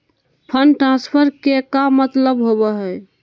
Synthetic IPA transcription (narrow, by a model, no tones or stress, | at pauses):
pʰənʈɾãnspʰəɾkekamət̪ləbɦobɛɦəj